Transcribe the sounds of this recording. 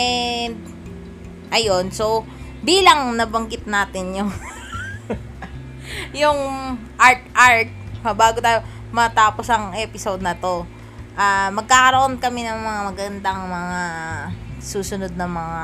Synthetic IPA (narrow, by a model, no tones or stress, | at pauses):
ʔɛnd̪̚ | ʔɐjo̞nso̞ | biːlɐŋnɐbɐŋɡɪt̪̚naːt̪ɪnjʊŋ | jʊŋʔaɹt̪̚ʔaɹt̪̚mɐbaːɡot̪aːjo̞ | mɐt̪aːposɐŋʔɛːpɪsod̪̚nɐt̪o̞ | ʔamɐɡ̚kakɐɾoʔonkɐmɛnɐŋmɐŋamɐɡɐnd̪aŋmɐŋa | suːsʊnod̪̚nɐŋmɐŋa